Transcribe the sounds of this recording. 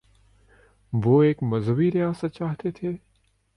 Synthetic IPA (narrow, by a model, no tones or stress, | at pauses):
ʋoːeːkmɐzʋiɾɪjaːsat͡ʃaːɦt̪et̪ʰeː